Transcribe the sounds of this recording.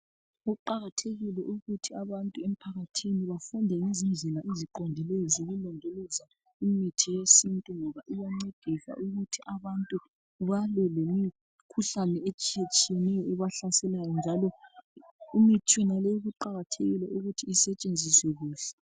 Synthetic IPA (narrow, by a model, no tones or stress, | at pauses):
uǃaɣatʰeɣilɛʔuɣutʰiaβantʼuem̩pʰaɣatʰiniβafundʱɛŋezind͡ɮʱɛlaiziǃondʱilejɔzoɣulɔndʱoluza | imitʰijesintʼuŋɔβaʔiwaŋ͡ǀed̥ʱisa̰ʔuɣutʰiʔaβantʼu | βalɛlemi | kʰuɬanɛet͡ʃʼijet͡ʃʼijɛnɛjɔuβaɬasɛlajɔnd͡ʒʱalɔ | umitʰwɛnalɛjuɣuǃaɣatʰeɣilɛʔuɣutʰiːsɛt͡ʃʼend͡zʱiswɛɣuːɬɛ̥